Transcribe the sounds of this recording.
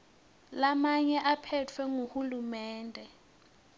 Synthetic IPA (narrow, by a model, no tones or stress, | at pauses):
lamaɲɛʔapʰɛt͡fʰwɛŋuhulumɛːndʱɛ